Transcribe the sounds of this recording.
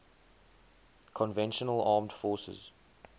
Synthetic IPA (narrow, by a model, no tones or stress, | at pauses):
kʰɔ̃nvɛ̃nʃənəlɑːmd̥fɔːˑsə̰z̥